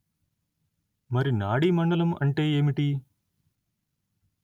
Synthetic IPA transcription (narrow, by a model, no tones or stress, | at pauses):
mɐɾinaːɽimɐɳɖɐlɐmɐ̰ɳʈe̞ːeːmiʈi